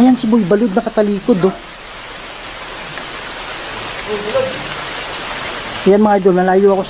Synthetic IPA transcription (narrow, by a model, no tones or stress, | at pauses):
ajansɪmoibɐlod̪nɐkɐt̪ɐliːkod̪o | janmɐŋaʔɐjd̪o̞lmɐlaːjuʔɐko̞s